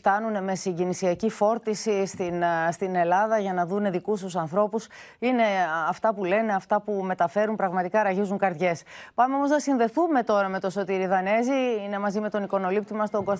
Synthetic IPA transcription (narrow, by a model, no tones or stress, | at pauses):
ft̪ɐnune̞me̞siɲɟinisiɐcifo̞ɾt̪isist̪inst̪ine̞lɐðɐʝɐnɐðune̞ðikust̪usɐnθɾo̞pus | ine̞ɐft̪ɐpule̞ne̞ɐft̪ɐpume̞t̪ɐfe̞ɾunpɾɐɣmɐt̪ikɐɾɐʝizuŋkɐɾt̪ʝe̞spɐmeo̞mo̞znɐsinðe̞θume̞t̪o̞ɾɐme̞t̪o̞so̞t̪iɾiðɐne̞ziine̞mɐzime̞t̪o̞niko̞no̞lip̚t̪imɐst̪o̞ŋɡos